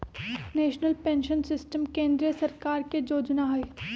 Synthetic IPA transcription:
neːʃnəlpɛ̃ːnʃənsɪsʈəmkẽːnd̪ɾijəsɐɾkaːɾked͡ʒoːd͡ʒnaɦɐe

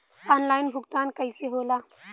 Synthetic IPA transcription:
ɔːnlaːjinbʱʊɡt̪aːnkəɪseɦoːlaː

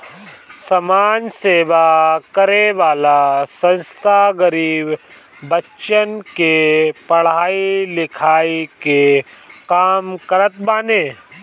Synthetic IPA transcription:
sɐmaːnseːʋakəɾeʋaːlasə̃nst̪ʰaɡəɾiːbː | ətːʃənkepɐɽ̤aːilɪkʰaːikekaːmkəɾət̪̚baːneː

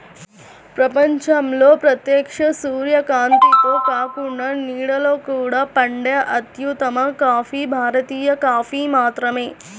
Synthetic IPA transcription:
pɾɐpɐɲt͡ʃɐmloːpɾɐt̪jeːkʂɐsuːɾjɐkaːnt̪it̪oːkaːkuɳɐniːɽɐloːkuːɽɐpɐɳɖjɐʔɐt̪jut̪ɐmɐkaːfiːbʱaːɾɐt̪iːjɐkaːfiːmaːt̪ɾɐmeː

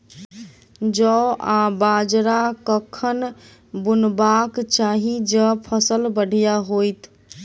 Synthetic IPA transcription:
d͡ʒəabad͡ʒɾakəkʰən | bunbakt͡ʃaɦid͡ʒəpʰəsəlbəɽ̤ʱjaɦojt̪

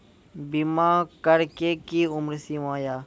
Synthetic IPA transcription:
bimãːkəɾkeːkiːʊmɾsĩãːjaː

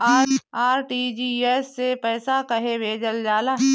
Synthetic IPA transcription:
aːaːɾʈiːd͡ʒiːeːsːepɛːsakɐɦebʱeːd͡ʒəld͡ʒaːlaː

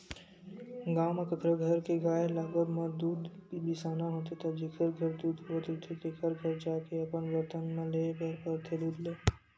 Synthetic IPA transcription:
ɡaːməkkɾəɡʱəɾkeɡaːelaːɡədməd̪uːd̪kibisaːnaɦot̪et̪ad͡ʒekʰəɾɡʱəɾd̪uːd̪ɦot̪et̪ʰek̪ekʰəɾɡʱəɾd͡ʒaːkeəpənʋət̪ənmẽlekəɾpəɾt̪ʰed̪uːd̪leː

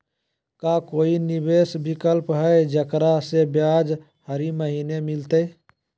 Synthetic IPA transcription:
kakoinibesbikəlpɦəed͡ʒəkɾasebjad͡ʒ | həɾiməɦinemilt̪ə

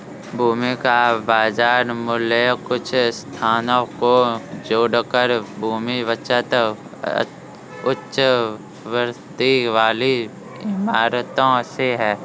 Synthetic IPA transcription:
bʱuːmikabaːzaːɾmʊlekʊt͡ʃʰst̪ʰaːnõkod͡ʒoːɽkəɾbʱuːmiʋət͡ʃət̪ | ʊt͡ʃʃ | ʋəɾ | d̪iʋaːli | ɪmaːɾt̪õseɦɛː

